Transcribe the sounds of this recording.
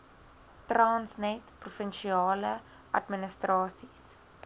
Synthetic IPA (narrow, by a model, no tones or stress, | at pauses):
trɑːnsnɛtprufənʃiɑːlə | ʔɐ̰tminəstrɑːsis